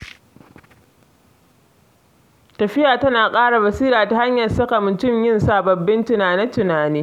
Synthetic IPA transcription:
tɐ˨ɸɪ˦jaː˨tɐ˦naː˨kʼaː˦ɽa˨bɐ˨siː˦ɾaː˨ta˦ha˦ɲjɐ˨rsɐ˦ka˨mʊ˨tʊ˦mjɪ˦nsa˨bɐ˨bːɪ˦ntʊ˨naː˨nɪ˦tʊ˨naː˨niː˦

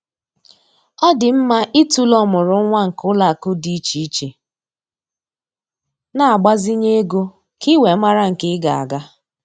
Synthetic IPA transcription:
ɔ˦dɪ˨m̩˦ma˦ʔi˦tu˦lɔ˦mʊ˨ɾʊ˨˦ŋʷa˦ŋ̩˨kʊ˦la˨kʊ˦di˦t͡ʃi˦i˦t͡ʃe˨ | na˨a˨ɡ͡ba˦zi˦ɲe˦ɡo˦ | ki˦we˨˦ma˦ɾa˦ŋ̩˨kɪ˦ɡa̰˨a̰˨ɡa˦

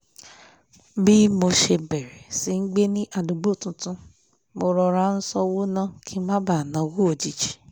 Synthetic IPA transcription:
bi˦mo˧ʃe˧bɛ˨ɾɛ˨si˨˧˦n̩˦ɡ͡be˦nĩ˦ʔa˧du˨ɡ͡bo˦˨tũ˧tũ˧ | mo˧ɾɔ˧ɾa˧˦n̩˦sɔ˦wo˦nã˦˨kʰi˦mã˦ba˦˨nã˨˦wu˦o˧˨d͡ʒi˨˦d͡ʒi̥˨˦˨

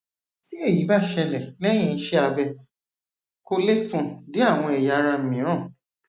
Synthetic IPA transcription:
si˦e˦˨ji˨˦ba˦˨ʃɛ˧lɛ˨lɛ˦j̃ĩ˧n̩˦ʃɛ˦a˧bɛ˧ | ko˧le˦tũ˧di˦a˦˨w̃ɔ̃˧ɛ˨ja˧˦ɾa˧m̩˨mĩ˨˦ɾ̃ã˦˨

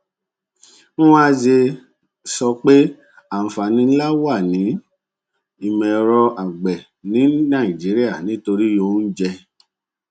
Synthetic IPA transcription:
nũ˦wã˦d͡ʒe˧ | sɔ˧k͡pe˦ | a˨m̩˨fa˨nĩ˧n̩˦la˦wa˦˨nĩ˨˦ | i˨mɛ̃˨ɾɔ˧ʔa˨ɡ͡bɛ˨ | nĩ˨˦nã˦˨i˨d͡ʒi˨˦ɾi˦a˦˨nĩ˨˦to˧ɾi˦jo˧˦n̩˦d͡ʒɛ˧

